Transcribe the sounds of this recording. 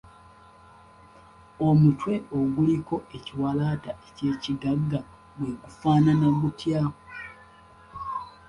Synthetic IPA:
o̞mutwe̞oɡuliko̞ʔeciwalaːtaʔece̞ːcidaɡːa | bweɡufaːnanamutʰjaːo

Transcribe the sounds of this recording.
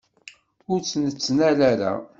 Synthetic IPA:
ʊɾt͡sːnət͡sːnælæɾæ̰

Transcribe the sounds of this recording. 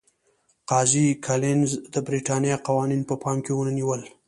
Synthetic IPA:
qɑzikʰalɪnzd̪əbɾiʈɑnjɑqawɑninpəpɑmkewonaniwəl

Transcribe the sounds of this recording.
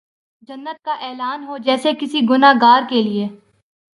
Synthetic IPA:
d͡ʒɐnːət̪̚kaʔɛːlaːnɦod͡ʒɛːsekɪsiɡʊnaːɡaːɾkelieː

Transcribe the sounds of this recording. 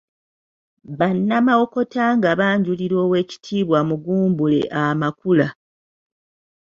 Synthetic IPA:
βanːamawo̞ko̞taŋɡaβaːɲɟuliɾo̞ːwe̞ːci̥tʰiːβwamuɡuːmbule̞̰ʔamakula

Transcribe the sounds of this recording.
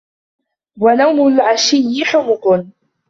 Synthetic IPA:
wanawmʊlʕaʃɪjːɪħʊqʊq

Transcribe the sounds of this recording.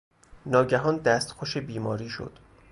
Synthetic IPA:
nɒːɟæɦɒːnd̪æst̪xoʃebiːmɒːɾiːʃo̰d̪̥

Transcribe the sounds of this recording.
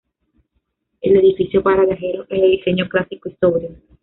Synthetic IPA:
ele̞ðifisjopaɾaβjaxeɾoʔeeðise̞ɲoklasikoist̪oβɾio

